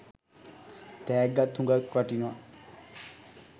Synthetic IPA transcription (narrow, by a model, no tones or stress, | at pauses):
t̪ɛːɡːat̪ʰːũŋɡakʋaʈina